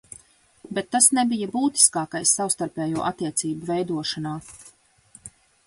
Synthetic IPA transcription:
bet̪ːasnebijabuːt̪i̥skaːkajsːawst̪aɾpɛːjuɔʔat̪ːiɛt̪siːbuvɛjd̪uɔʃanaː

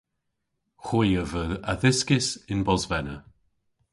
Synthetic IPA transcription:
xwɪjəvəəðɪskɪsɪnbɔzvɛnə

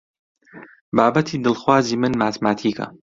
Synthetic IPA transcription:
baːbɐt̪ʰiːd̪ɨlˠxwaːziːmɨnmaːt̪maːt̪ʰiːkɐ̰

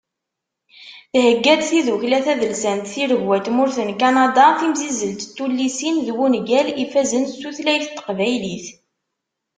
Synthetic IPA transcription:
θhəɡːæd̪θiðuçlæθæðəlsænt̪θiɾəʝwæt̪mʊɾθənkanɑd̪ɑθimzizəlt̪t̪ːulːisinðwunɡælifæzənsuθlæjθt̪ːə̥qvæjliθ

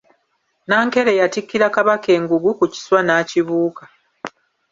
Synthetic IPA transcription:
naːŋke̞ɾe̞jatikːiɾakaβake̞ːŋɡuɡukuci̥swanaːciβuːka

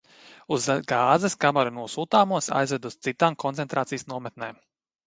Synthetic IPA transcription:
uzɡaːzɛskamɛɾunuɔsuːt̪aːmuɔsa̰jzvɛd̪ust̪sit̪aːmkɔnt̪sɛnt̪ɾaːt̪ijəsnuɔmɛt̪̚nɛːm

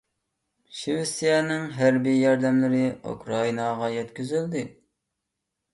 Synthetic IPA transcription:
ʃiwɪsijɛnɪŋɦæɾbijɑɾd̪ɛmlɪɾɪṵkɾɑinɑʁɑjɛt̪kʲyzyld̪ɪ

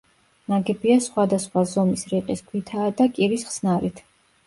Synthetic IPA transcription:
naɡɛbiasχwad̪asχwazɔmisɾiqʼisɡʰwit̪ʰaːd̪akʼiɾisχsnaɾit̪ʰ

